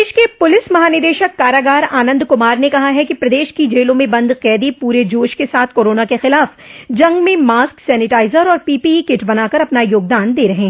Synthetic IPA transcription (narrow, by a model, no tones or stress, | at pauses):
eːʃkepʊlɪsmɐɦaːnɪd̪eːʃəkːaːɾaːɡaːɾaːnə̃nd̪kʊmaːɾnekɐɦaɦɛkipɾɐd̪eːʃkid͡ʒeːlõmẽbɐ̃nd̪qɛːd̪ipuːɾed͡ʒoːʃkesaːt̪ʰkoːɾoːnakexɪlaːfd͡ʒɐ̃ŋɡmẽmaːsksɛːnɪʈaːɪzəɾɔːɾpiːpiːikɪʈbɐnaːkɐɾɐpnajoːɡ̚d̪aːnd̪eːɾɐɦẽː